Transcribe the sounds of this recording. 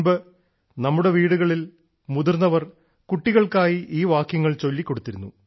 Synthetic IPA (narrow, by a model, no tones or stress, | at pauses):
bɨ | nɐmːuɽe̞ʋiːɽuɣɐɭil | muðurnːɐʋɐr | kuʈːiɣɐɭkaːjiʔiːʋaːkjɐŋːɐɭt͡ɕo̞lːikːo̞ɽut̪ːiɾunːu